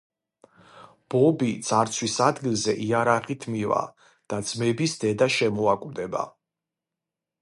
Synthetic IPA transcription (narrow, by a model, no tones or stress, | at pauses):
b̥ɔbit̪z̥ʼaɾt̪sʰwisad̪ɡilˠzɛʔiaɾaʁit̪ʰmiva̰ | d̪̥ad̪zmɛbisd̪ɛd̪aʃɛmɔakʼvd̪ɛba̰